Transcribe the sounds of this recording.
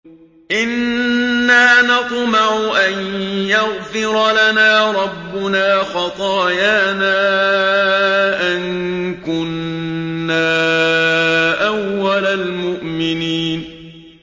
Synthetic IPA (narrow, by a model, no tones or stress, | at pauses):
ʔɪnː | aːnɑt̪ˤmaʕʊʔanjaɣfɪɾˤɑlanaːɾˤɑbːʊnaːxɑt̪ˤɑːjaːnaː | ʔaŋkʊnː | aː | ʔawːalalmʊʔmɪniːn